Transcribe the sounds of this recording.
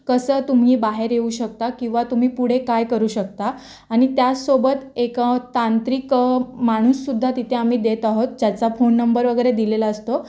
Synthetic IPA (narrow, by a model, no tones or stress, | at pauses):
kəsəːt̪um̤iːbaɦeɾjeuːɕək̚t̪akĩw̃ʋat̪um̤iːpuɽ̤ekajkəɾuːɕək̚t̪aː | ɽ̃it̪jasobət̪ekət̪ant̪ɾikmaɽ̃usːud̪ʱːat̪it̪ʰeam̤iːd̪et̪aɦot̪̚d͡ʑjat͡safonːəmbəɾʋəɡəjɾed̪ilelaəst̪o